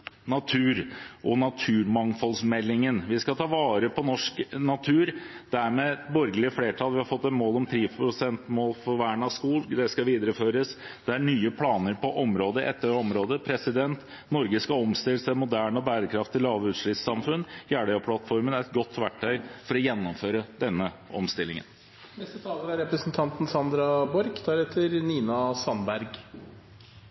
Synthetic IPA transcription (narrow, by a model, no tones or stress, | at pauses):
nɑt̪ʰʉːɾʔɔnɑt̪ʰʉːɾmɑŋfɔlsmɛlːɪŋənʋɪskɑt̪ʰɑːʋɑːɾəpʰɔnɔʂknɑt̪ʰʉːɾd̪̥æɾmɛbɔɾɡəlɪəfleːʈʰɑːlʋɪhɑɾfɔt̪ːɛnmoːlɔmt̪ʰɾiːfpʰɾʊsɛnt̪moːlfɔɾʋæːɳɑskuːld̪ɛskɑʋiːd̪ɾəføːɾəsd̪̥ɛæɳyːəpʰlɑːnəɾpɔʔɔmɾoːd̪əʔɛ̰t̪ːəɾɔmɾoːd̪əpʰɾɛsɪd̪ɛnt̪ | nɔɾɡəskɑɔmst̪ɪlːəsæmʊd̪æːɳɔbæːɾəkʰɾɑft̪ɪlɑːʋəʉːt̪ʂɭʏt̪sɑmfʉnːjæːɖœɔpʰlɑt̪fɔɾmənæɾɛt̪̚ɡɔt̪ːʋæʈʰːœʏfɔɾɔjɛnːɔmføːɾəd̪ɛnːəɔ̰mst̪ɪlːɪŋə̰n | nɛst̪ət̪ʰɑːləɾæɾɛpɾəsnt̪ʰɑnt̪n̩sɑnd̪ɾɑbɔɾɡd̪æɾheːt̪ʰəɾniːnɑsɑnbæɾɡ